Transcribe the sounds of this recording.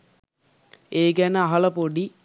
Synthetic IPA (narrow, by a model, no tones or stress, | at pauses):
eːɡænəaɦɐlɐpoɖi